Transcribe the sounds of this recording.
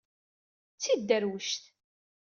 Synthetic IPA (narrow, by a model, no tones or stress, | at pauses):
t͡sːid̪ːæɾwəʃt̪